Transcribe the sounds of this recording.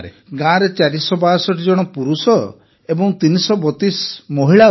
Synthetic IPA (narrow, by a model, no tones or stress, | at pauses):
e | ɡãɾet͡ʃaɾisɔbaːsɔʈid͡ʒɔɽ̃ɔpuɾusɔ | ebɔŋt̪inisɔbɔt̪ismɔɦiɭa